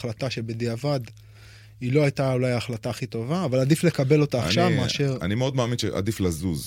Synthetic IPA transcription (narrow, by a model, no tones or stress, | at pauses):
lat̪aʃe̞bed̪iavad̪ | ilo̞ajtaulajaχlataːχit̪o̞vaːvaladifle̞kabe̞lo̞taːχʃavmeaʃeʁa̰nimeod̪maːminʃḛʔa̰d̪iflazuz